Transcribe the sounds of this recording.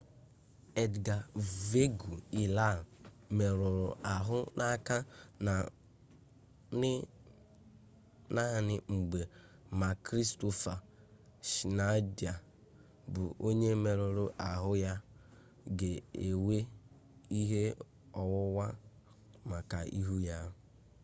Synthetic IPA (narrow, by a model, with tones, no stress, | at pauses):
e˨dɡa˨ve˦ɡu˨i˨la˦˨ | me˨ɾʊ˨ɾʊ̰˨ʔa˨ɦʊ˦na˦ka˦na˨ | nɪ˦ | na˦ɦa˨nɪ˦ŋ͡m̩˨ɡ͡be˨ | ma˨kɾi˦sto˦fa˨ | ʃi˨na˦di˨a˨ | bʊ˨ʔo˦ɲe˦me˨ɾʊ˨ɾʊ˨ʔa˨ɦʊ˦ja˦ | ɡe˨e˨we˦ | i˦ɦe˦ | ɔ˨wʊ˦wa˦ | ma˨ka˨ḭ˦ɦu˦ja˦